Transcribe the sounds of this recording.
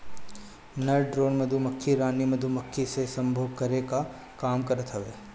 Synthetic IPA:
nɐɾɖɾoːnmɐd̪ʱumɐkʰːiɾaːnimɐd̪ʱumɐkʰːisesɐ̃mbʱəʋkɐɾeka | kaːmkɐɾət̪ɦɐʋeː

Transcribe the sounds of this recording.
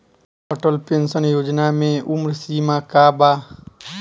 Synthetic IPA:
ɔʈəlpẽnsənjoːd͡ʒnamẽʔʊmɾsiːmakaːbaː

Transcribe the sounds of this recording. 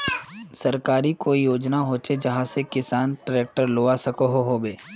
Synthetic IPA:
sɐɾkaːɾikoːijoːd͡ʒnaɦoːt͡ʃed͡ʒɐɦãsekɪsaːnʈɾeːk̚ʈəɾloːasɐkoɦoɦoːbeː

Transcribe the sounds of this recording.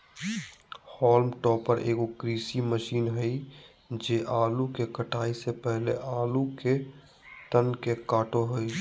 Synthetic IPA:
hɔːlmʈɔːpːəɾʔḛːkokɾiːsiməʃiːnɦəi | d͡ʒeːʔaːlukekəʈaːisepɛɦleʔaːluke | t̪ənkekaːʈoɦʊi

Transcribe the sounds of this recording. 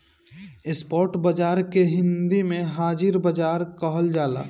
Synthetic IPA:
ɪspɔːɾʈbəd͡ʒaːɾkeɦɪ̃nd̪imẽɦaːd͡ʒɪɾbəd͡ʒaːɾkəɦəld͡ʒaːla̰ː

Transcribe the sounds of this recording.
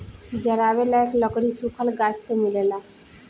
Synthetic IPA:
d͡ʒəɾabelaeklɔɡɽisukʰəlɡat͡ʃsemilela

